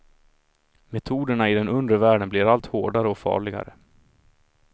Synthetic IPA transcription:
mɛt̪ʰuːd̪əɳaɪd̪ɛnɵnd̪əvæːɖənblɪɾalt̪hoːɖaɾəɔkfɑ̰ːɭɪɡa̰ɾə

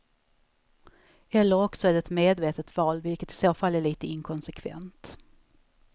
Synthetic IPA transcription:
ɛlːəɾɔksɔæɖɛt̪meːd̪veːt̪ət̪vɑːlvɪlkət̪ɪ̥soːfalːæɭiːt̪əɪŋkʰɔnsɛkʰvɛ̰nt̪

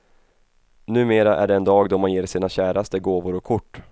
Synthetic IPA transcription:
nʉ̟ːmeːɾaʔæ̰ɖɛɛnd̪ɑːɡd̪ɔmanjeːɾʂiːnaɕæːɾast̪əɡoːvʊɾɔkʰʊʈː

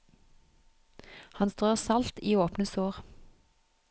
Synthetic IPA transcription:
hɑnst̪ʁøːʁsɑlt̪iːoːpnəsoːʁ

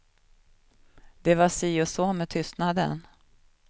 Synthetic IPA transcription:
d̪̥ɛvasiːʊsoːmɛt̪ʰʏst̪nad̪ə̰n

